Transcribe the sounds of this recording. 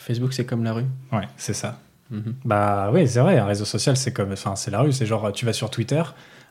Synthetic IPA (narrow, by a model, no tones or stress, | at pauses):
fɛsbuksɛkɔmlaʁywɛsɛsa | m̩bawis̬ɛvʁɛɛ̃ʁezosɔsjalsɛkɔmfɛ̃sɛlaʁys̬ɛʒɑ̃ʁt̪yvasyʁt̪wit̪œːʁ